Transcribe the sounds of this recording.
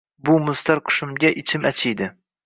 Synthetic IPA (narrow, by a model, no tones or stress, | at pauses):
bʊmʊst̪aɾqʰʊ̥ʃɪmɡʲaʔɪt͡ʃʰɪmat͡ʃʰɪjd̪ɪ